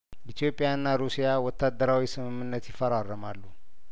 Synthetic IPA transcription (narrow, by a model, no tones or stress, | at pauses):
jəit̪ʰjo̞pʼːjaɨnːaɾusijawɔt̪ʰːad̪ːəɾawisɨmɨmːɨnːət̪jɪfəɾarːəmalːu